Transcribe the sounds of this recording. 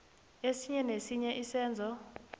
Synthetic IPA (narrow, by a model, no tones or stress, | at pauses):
esiɲɛnesiɲɛʔisɛːnd͡zʱɔ